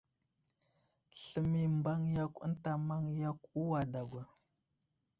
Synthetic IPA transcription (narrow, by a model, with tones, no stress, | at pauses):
ɬə˦mi˦mba˦ŋja˦kʷə̰˦n˦ta˨ma˦ŋja˦ku˦wa˨da˨ɡʷa˨